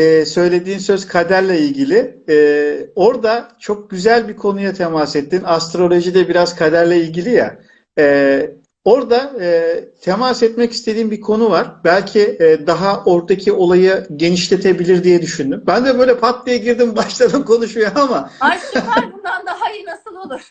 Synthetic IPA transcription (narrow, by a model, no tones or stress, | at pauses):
ɛːsø̞jlʲe̞d̪iːnsø̞zkʰad̪æɾlʲɛilʲɟilʲɪɛːo̞ɾd̪at͡ʃʰo̞k̚ɟ̥yzælʲbikʰo̞nujat̪ʰemasɛt̪ːinast̪ɾo̞lʲˠo̞ʒid̪ɛbiɾaz̥kʰad̪æɾlʲɛilʲɟilʲija̰ː | oɾd̪aɯt̪ʰemasɛt̪mɛci̥st̪ʰe̞d̪iːnbikʰo̞nuvaɾ̥bælʲcʰiːd̪aɦaʔo̞ɾd̪acʰio̞lˠajɯɟe̞niʃlʲe̞t̪ʰe̞bilʲiɾd̪ijɛd̪yʃynd̪ymbænd̪ɛbø̞jlʲɛpʰat̪lˠijaɟiɾd̪imbaʃlˠad̪ɯmkʰo̞nuʃujoamaabund̪and̪aɦainasɯlˠolˠu̥